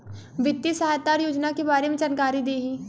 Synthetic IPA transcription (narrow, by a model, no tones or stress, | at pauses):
ʋɪt̪ːjisɐɦaːjt̪ːaːɾjoːd͡ʒnakebaːɾemẽt͡ʃɐnkaːɾid̪eːɦiː